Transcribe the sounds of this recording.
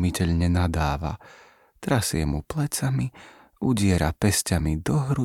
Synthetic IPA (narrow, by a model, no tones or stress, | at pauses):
micɛʎɲɛnad̪aːʋa̰ | t̪ɾasɪɛmuplɛt͡sami | uɟɪɛɾapɛscamid̪ɔɦɾu